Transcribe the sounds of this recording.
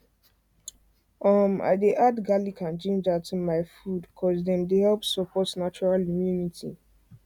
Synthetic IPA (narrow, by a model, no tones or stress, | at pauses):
ɔma̰ɪdeʔadɡalikʰãnt͡ʃẽnd͡ʒatumaɪfudkʰɔzdɛ̃mdehɛlpsɔpʰɔtnat͡ʃɔɹalimjunitʰḭ